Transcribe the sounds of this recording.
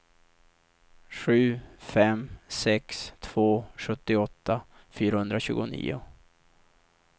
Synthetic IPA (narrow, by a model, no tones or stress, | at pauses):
ɧʉ̟ːfɛmsɛkst̪ʰv̥oːɧɵt̪ːɪɔt̪ːa | fyːɾahɵnd̪ɾaɕʉ̟ːɡʊnḭːʊ